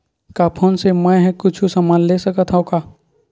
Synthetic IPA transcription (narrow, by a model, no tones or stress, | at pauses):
kaːpʰoːnsemə̃ɦɛ̃kʊt͡ʃʰusəmaːnlesəkət̪ʰɦəokaː